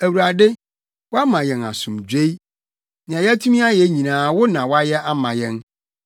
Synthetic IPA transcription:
æ˨wu˨ɾa˨dɪ˦ | wʊ˦a˦mã˨jɛ̃˨na̰˨sũ˨md͡ʑᶣe˦i˦ | nɪ̃˨ã˨jtʰu˦mĩ˦a˦jɛ˨˦ɲĩ˨nãː˨˦wʊ˦nã˨wa˦jɛ˦ʔa˦mã˨jɛ̃˦n

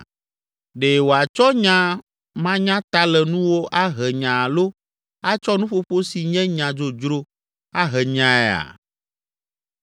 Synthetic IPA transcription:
ɖe˨wo˨a˨t͡ʃɔ˦ɲã˦ | mã˦ɲã˦t̪a˦lɛ˨nũ˦wo˦ʔa˦ɦɛ˨ɲã˨lo˦ | a˦t͡ʃɔ˦nũ˦ɸo˦ɸo˦si˨ɲɛ̃˦ɲã˨d͡ʒo˨d͡ʒɾo˦ | a˦ɦɛ˨ɲã˨ɛ˦a̰˨

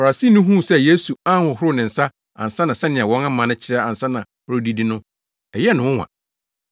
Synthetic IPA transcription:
fa˨ɾa˨si˦˨nʊ̃˦ɦũ˦˨sɛ˦je˦su˨a˦hʊ̃˨hʊ˦ɾʊ˦˨nɪ̃˨n̩˨sa˦ | a̰˨n̩˨sa˦nã˨sɛ˦nɪ̃˨a˨wɔ̃˦ŋã˦mã˨nʊ̃˦t͡ɕʰɪ˦ɾa˦a˨n̩˨sa˦nã˨hʊ˦ɾʊ˦di˦di˦nʊ̃˦ | ɛ˨jɛ˦nʊ̃˨wʊ̃˦wã̰˨

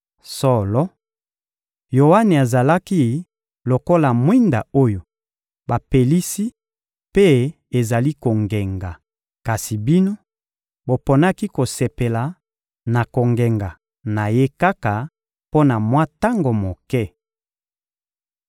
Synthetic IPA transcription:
so˦˨lɔ˦ | jo˨wa˦ne˨a˨za˨la˦ki˦ | lo˨ko˦la˨mwi˦nda˨o˦jo˨ | ba˨pe˨li˦si˦ | pe˦ | e˨za˨li˦ko˨ŋɡɛ˨ŋɡa˨ | ka˨si˨bi˦no˦ | bo˨po˨na˦ki˦ko˨se˨pe˨la˨ | na˨ko˨ŋɡɛ˨ŋɡa˨ | na˨je˦ka˦ka˨ | po˦na˨mwa˦ta˦ŋɡo˨mo˨kɛ˦

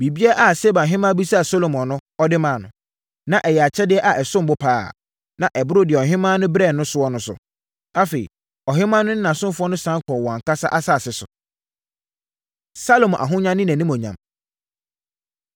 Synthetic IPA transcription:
bi˨bi˦ɛ˦ʔa˨se˦bã˨ɦɪ̃˦mã˦bi˦sa˦a˨so˦lo˨mɔ̃˨nʊ̃˦ɔ˦dɪ˦mã˨nʊ̃˨ | nã˨ʔɛ˨jɛ˨a˨t͡ɕʰɛ˦dɪ˦ɛ˦ʔa˨ʔɛ˨sʊ̃˦m˨bʊ˦pʰaː˦˨ | nã˨ʔɛ˨bʊ˦ɾʊ˦dɪ˨ɛ˨ɔ˨ɦɪ̃˦mãː˦nʊ̃˦bɾɛ˦˨nʊ̃˦sʊ˦ɔ˦nʊ̃˦sʊ̰˨ | a˦fe˨ḭ˨ | ɔ˨ɦɪ̃˦mã˦nʊ̃˦nɪ̃˦ã˨sʊ̃˦fʊ˦ɔ˦nʊ̃˦sã˦ŋ˦kʰɔ˨wɔ̃˨ã˨kʰa˦sa˦ʔa˦sa˦˨sɪ˨sʊ̰˨ | sa˦lo˨m˨ʔa̰˨ɦʊ̃˦ɲã˦nːɪ̃˦næ̃˨nĩ˦mɔ̃˨ɲã̰˨m

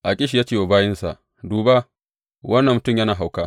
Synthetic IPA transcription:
ʔa˨kʲʼɪ˦ʃ̬i˨jaː˦t͡ʃeː˦˨woː˨baː˦jɪ˦nsa̰˨ | duː˨ba˦ | wɐ˦nːɐ˨mːʊ˨tʊ˦˨mja˦naː˨ɦa˨wkaː˦

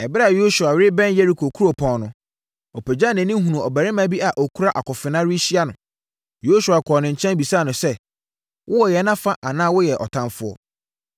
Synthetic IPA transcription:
ɛ˨bɪ˦ɾa˨jo˦su˨a˨wɾɪ˦bɛ̃˦nje˦ɾi˨kʰo˨kʰu˦ɾo˨pʰɔ̃˨nnʊ̃˨ | ɔ˨pʰɛ˨d͡ʑa˦˨nɪ̃˨nĩ˦ɦũ˨ũ˨ɔ˨bæ˨ɾɪ˦mã˦bi˦a˨ʔɔ˨kʰu˦ɾa˦ʔa˨kɔ˨fɪ˨nã˦ɾi˦ɕi˦a˦nʊ̃˨ | jo˦su˨a˨kʰɔ˨nɪ̃˨ɲ̩˨t͡ɕʰɛ̃˦nbi˨saː˦˨nʊ̃˨sɛ˦ | wʔʊ˦wɔ˨jɛ˨˦nã˦fa˦ʔa˨nãː˦wʊ˦jɛ˨ʔɔ̰˨tʰã˦mfʊ˦ɔ̰˦

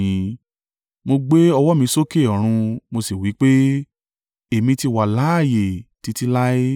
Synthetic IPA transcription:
ĩ˧ | mo˧ɡ͡be˦ɔ˧wɔ˦mĩ˧˦so˦ke˦˨ɔ˨ɾ̃ũ˧mo˧si˨wi˨˦k͡pe˦ | e˨mĩ˧ti˧˨wa˨la˨˦a˦˨je˨ti˧˦ti˦la˦i˦

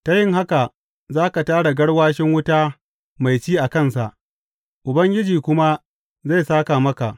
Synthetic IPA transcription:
ta˦jɪ˦ŋɦa˦ka˨ | zaː˦ka˨taː˦ɽa˨ɡɐ˦ɽwaː˦ʃɪ˦ŋwʊ˦taː˦ | ma˨jt͡ʃiː˦ʔa˨kɐ˦nsa˨ʔ | ʔʊ˨bɐ˦ŋɡʲɪ˦d͡ʒiː˨kʷʊ˦ma˦ | za˦˨jsaː˦ka˨mɐ˦ka˨ʔ

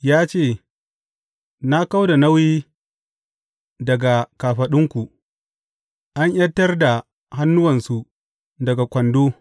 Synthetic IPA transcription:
jaː˦t͡ʃeː˦˨ | na˦ka˦wda˨nɐ˦wiː˦ | dɐ˨ɡa˨kaː˨ɸɐ˨ɗɪ˦ŋkʷu˨ | ʔa˦ɲʔɐ˦tːɐ˦rda˨ | ha˦nːʊ˦wɐ˨nsu˨ | dɐ˨ɡa˨kʷɐ˨ndoː˦

